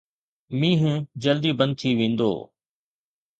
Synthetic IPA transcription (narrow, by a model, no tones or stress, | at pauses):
mĩːɦũd͡ʑəld̪ibɐ̃nd̪̚t̪ʰiʋẽːn̆d̪o̰ː